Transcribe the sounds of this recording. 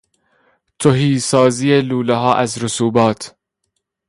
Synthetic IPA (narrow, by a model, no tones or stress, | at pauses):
t̪ʰoɦiːsɒːziːeluːleɦɒːʔæzɾosuːbɒːt̪ʰ